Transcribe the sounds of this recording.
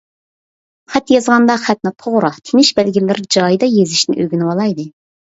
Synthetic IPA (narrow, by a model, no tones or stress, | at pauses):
χɛt̪jɑzʁɑnd̪ɑχæt̪̚nɨt̪ʰoʁɾɑt̪ʰenɪʃbɛlɡʲilːɪɾd͡ʒɑjd̪ɑjezɪʃnɪ̰ʔøɡʲinɪwɑlˠɑjd̪ɨ